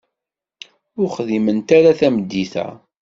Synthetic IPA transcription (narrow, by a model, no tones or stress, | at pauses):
ʊɾχðimənt̪aɾaθæməd̪ːiθæ̰